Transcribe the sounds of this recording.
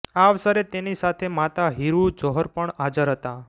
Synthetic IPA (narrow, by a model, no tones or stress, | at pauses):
aʋsəɾet̪enisat̪ʰemat̪aɦiɾud͡ʒɔɦɔɾpəɳad͡ʒəɾɦət̪a